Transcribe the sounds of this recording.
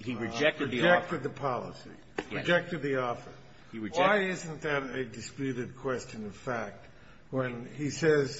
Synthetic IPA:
iɹɨd͡ʒɛk̚tɨɨd͡ʒɛk̚tɨd̪̚ðɨpʰɑlˠə̰sḭ | ɨd͡ʒɛk̚tɨd̪̚ðiɔfə̰˞ | iɹɨwd͡ʒaɪɪz̃n̩ðɨɾɨdɨspjʉɾɨd̚kʰw̥ɛst͡ʃɨ̃nʌv̥fæk̚t̚ | wə̃nisɛz̥

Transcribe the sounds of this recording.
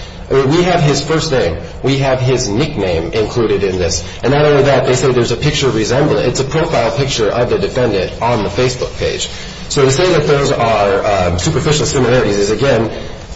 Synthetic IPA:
ʔwiɨv̥ɪz̥fɜ˞stⁿnẽɪ̃m | wiɨv̥ɪznɪk̚nẽɪ̃mɪ̃nkʰl̥uɾɨɾɪ̃nðɪs | ɨ̃nːəɾõʊ̃nliðɨt̪̚ðeɪseɪðə˞zɨpʰɪk̚t͡ʃə˞ɹɨzɛ̃mblˠə̃ɨtsɨpʰɹ̥oʊfaɪlˠpʰɪk̚t͡ʃə˞ʔʌvðɨdɨfɛ̃ndɨ̃ɾ̃n̩ðəfeɪsb̥ʊk̚pʰeɪd̥ʒ̥ | soʊɾɨseɪðɨt̪̚ðoʊzə˞sʉpə˞fɪʃl̩ˠsɪ̃məlɛɹɨɾizɨzɨɡɛ̃n

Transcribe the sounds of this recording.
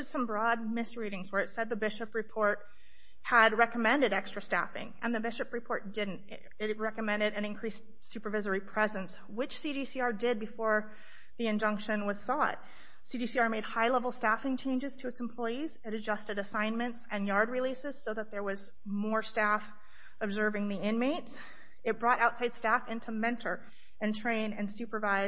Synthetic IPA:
ɨz̥sʌ̃mbɹɔd̚mɪsɹiɾɪ̃ŋzwə˞ɨtsɛd̪̚ðɨbɪʃɨpɹɨpʰɔɹt̚ | həd̚ɹɛkəmɛ̃ndɨɾɛkstɹ̥ɨstæ̰fɪ̰̃ŋɨ̃nðɨbɪʃɨpɹɨpʰɔɹt̚d̥ɪdⁿn̩t | ɪt̚ɹɛkɨmɛ̃ndɨɾɨ̃nɨ̃nkʰɹ̥is | sʉpə˞vɪzə˞ipʰɹ̥ɛzɨ̃ns | wɪt͡ʃsiɾisiɑɹdɪd̚bɨfɔɹ | ðiɨ̃nd͡ʒʌ̃ŋkʃɨ̃nwʌz̥sɔ̰t̚ | sidisiɑɹmeɪd̚haɪlɛvl̩ˠstæfɪ̃ŋt͡ʃʰẽɪ̃nd͡ʒɨz̥tʰɨɨtsm̩pʰl̥ɔɪiz̥ɨɾɨd͡ʒʌstɨɾɨsãɪ̃nmɨ̃ntsɨ̃njɑɹd̚ɹilisɨz̥soʊðət̪̚ðə˞wʌz | mɔɹstæf | ɨbzɜ˞vɪ̃ŋðiɪ̃nmeɪts | ɨt̚b̥ɹɔɾʔaʊtsaɪd̥stæfɪ̃ntʰumɛ̃ntʰə˞ | ɨ̃ntʰɹ̥ẽɪ̃nɨ̃nsʉpə˞vaɪ

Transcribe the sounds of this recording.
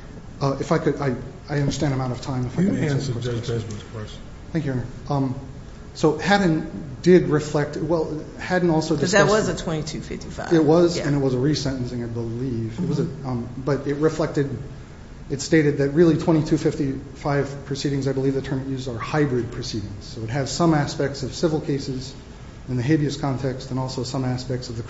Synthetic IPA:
ʌʔɨfaɪkɨɾaɪ | aɪʌ̃ndə˞stæ̃ndɨmãʊ̃ɾ̃tʌv̥tʰãɪ̃mɨfaɪkɨ̃kɔɹʌzmkʰɔs | θæ̃ŋkjʉɛ̃nə˞ | ʌm | soʊhæɾ̃n̩dɪd̚ɹɨflɛk̚twɛlˠ | hædⁿn̩ɔlˠsoʊdɨs̚wʌzzɨtʰw̥ɛ̃ñitʰʉfɪ̰ftifa̰ɪɪt̚wʌzɨ̃nɨt̚wʌzəɹisɛ̃ñnsɪ̃ŋaɪbəlivɨt̚wʌzɨbʌɾɪt̚ɹɨflɛk̚tɨd | ɨtsteɪɾɨd̪̚ðɨt̚ɹɪlˠitʰw̥ɛ̃ɾ̃itʰʉfɪftifaɪv̥pʰɹ̥ɨsiɾɪ̃ŋzaɪbəlivðɨtʰɜ̃˞mɨtjʉzə˞haɪbɹɨd̚pʰɹ̥ɨsiɾɪ̃ŋz̥soʊɨt̚ɦɨz̥sʌ̃mæspɛk̚tsʌv̥sɪvl̩ˠkʰeɪsɨz | ɨ̃nðɨɦeɪbiɨskʰɑ̃ntʰɛkstɨ̃nɔlˠsoʊsʌ̃mæspɛk̚tsʌvðɨ

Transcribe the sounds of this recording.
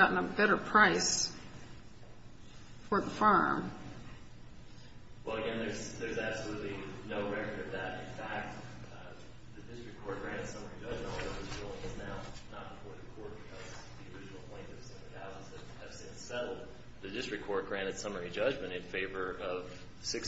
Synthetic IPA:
ɑʔn̩əbɛɾə˞pʰɹ̥aɪs | fə˞ðəfɑɹm | wɛlˠəɡɛ̃nðə˞zðə˞zæb̥səlutˡlinoʊɹɛkə˞ʌvðɨɾɪ̃nfæk̚t̚ | ðɨdɪstɹ̥ɨk̚kʰɔɹt̚ɡ̥ɹæ̃ɾ̃ɨd̥sʌmə˞id͡ʒʌd͡ʒmɨ̃tˠðəwɨzulˠɪ̃ŋʌznaʊnət̚b̥əfɔɹðɨkʰɔɹt̚b̥ɨkʰʌzðiə˞ɪd͡ʒɨn̩l̩ˠpʰɔ̃ɪ̃ntʌv̥sɛ̃lɨ̥haʊzɨz̥ɨv | ɨv̥sɨ̃nsɛɾl̩ˠd̚ | ðɨdɪstɹ̥ɨkʰɔɹt̚ɡ̥ɹæ̃ɾ̃ɨd̥sʌmə˞id͡ʒʌd͡ʒmɨ̃ñɨ̃nfeɪvə˞ʌv̥ | sɪks

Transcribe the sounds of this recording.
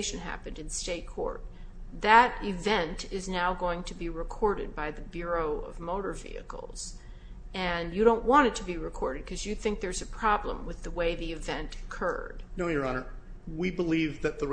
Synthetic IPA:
ɪʃɨ̃nɦæ̰pɨ̃ndɨ̃nsteɪt̚kʰɔ̰ɹt̪̚ | ðɨɾɪvɛ̃ntʰɪznaʊɡoʊɪ̃ŋtʰɨbiɹɨkʰɔɹɾɨd̚baɪðɨbjʊɹoʊʌ̰vmoʊɾə˞vḭɨ̰kl̩ˠz̥ | ɨ̃njɨɾõʊ̃nʔwɑ̃ɾ̃ɨd̚tʰɨbiɹɨkʰɔɹɾɨd̚kʰʌzjɨθɪ̃ŋk̚ðə˞zɨpʰɹ̥ɑblə̰̃mwɨðəweɪðiɨvɛ̃ntɨ̥kʰɜ̰˞d̥noʊjə˞ɑnə˞ | wibəlivðɨt̪̚ðə

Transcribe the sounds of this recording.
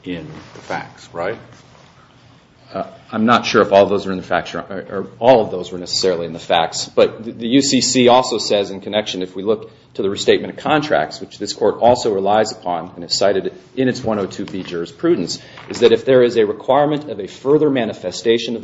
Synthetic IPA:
ɪ̃nðɨfæ̰k̚sɹaɪt̚ | ãɪ̃mnətʃʊɹəfɔlˠvðoʊzwə˞ɨ̃nðɨfæk̚t͡ʃə˞əɔlˠʌvðoʊzwə˞nɛsə̥sɛɹl̩ˠiɨ̃nðɨfæ̰k̚tsb̥ʌt̪̚ððɨjʉsisiɔlˠsoʊsɛzɨ̃nkʰɨnɛkʃɨ̃nɨfwilʊk̚ | tʰɨðɨɹisteɪt̚mɨ̃ɾ̃ʌv̥kʰɑ̃ntʰɹ̥æ̰k̚tswɨt͡ʃðɪskʰɔɹɾɔlˠsoʊɹɨlaɪzəpʰɑ̃nɨ̃nɨz̥saɪɾɨɾʔɨ̃ñɨtswʌ̃ñoʊtʰʉbid͡ʒɜ˞z̥pʰɹ̥ʉdⁿn̩s | ʔɨzðɨɾɨfðə˞ɪzɨɹɨkʰw̥aɪɹmɨ̃ntʰʌvɨfɜ˞ðə˞mæ̃ñɨfɛsteɪʃɨ̃nʌ

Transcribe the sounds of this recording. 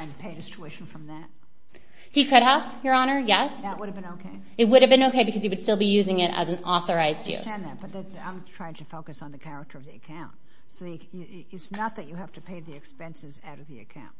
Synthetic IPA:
ɪ̃npʰeɪɾɨst͡ʃʰuɪʃn̩fɹʌ̃mðæt̚ | hikʰʊɾəvjə˞ɑñə˞jɛsðət̚wʊɾɨvbɨ̃noʊkʰeɪ | ɨt̚wʊɾɨvbɨ̃ñoʊkʰeɪbɨkʰʌz̥iwɨd̥stɪlˠbijʉzɪ̃ŋɪɾɨ̰z̃n̩ɔθə˞aɪzjʉ̰tæ̃nðæt̚b̥ʌt̪̚ðɨt̪ã̰ɪ̃mtʰɹ̥aɪɪ̃ŋtʰɨfoʊkɨsn̩ðɨkʰæɹɨk̚tʰə˞ʌvðiɨkʰãʊ̃nt̚ | soʊðiɨ | ɨ | ɪtsnət̪̚ðɨt͡ʃɨhæftɨpʰeɪðiɨkspɛ̃nsɨzaʊɾʌvðiɨkʰãʊ̃nt̚

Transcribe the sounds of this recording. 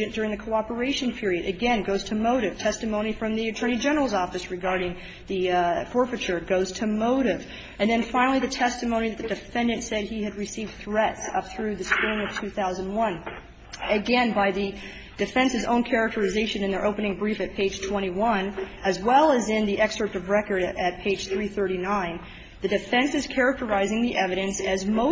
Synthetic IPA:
ɨ̃nd̥ʊɹɪ̃ŋðɨkʰoʊɑpə˞eɪʃɨ̃npʰɪɹiɨɾʔɨɡɛ̃nɡoʊz̥tʰɨmoʊɾɨv̥tʰɛstɨmõʊ̃ñifɹʌ̃mðiɨtʰɜ̃˞ñid͡ʒɛnə˞l̩ˠzɔfɨsɹɨɡɑɹɾɪ̃ŋ | ðɨfɔɹfɨt͡ʃə˞ɡoʊz̥tʰɨmoʊɾɪv | ɨ̃nðɨ̃nfãɪ̃nl̩ˠiðɨtʰɛstɨmõʊ̃ñiðɨt̪̚ðɨdɨfɛ̃ndɨ̃ntsɛd̚iɨd̚ɹɨsivd̥θɹɛtsʌ̰p̚θɹʉðɨspɹɪ̃ŋʌv̥tʰʉθaʊzɨ̃n̩d̚wʌ̃n | ɨɡɛ̃nbaɪðɨ | d̥ɨfɛ̃nsɨzõ̰ʊ̃nkʰɛɹɨk̚tʰə˞ɨzeɪʃɨ̃nɨ̃nðə˞ʔoʊpɨnɪ̃ŋbɹifɨt̚pʰeɪd̥ʒ̥tʰw̥ɛ̃ɾ̃iwʌ̃nɨzwɛlˠɨzɪ̃nðiʔɛksə˞tʌvɹɛkə˞ɾɨt̚pʰeɪd̥ʒ̥θɹiθɜ˞ɾinãɪ̃n | ðɨdɨfɛ̃nsɨz̥kʰɛɹɨk̚tə˞aɪzɪ̃ŋðiʔɛvɨɾɨ̃nsɨzmoʊ

